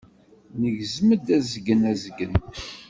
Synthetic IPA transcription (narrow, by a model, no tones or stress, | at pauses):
nəʝzməd̪æzəɡːənæzəɡən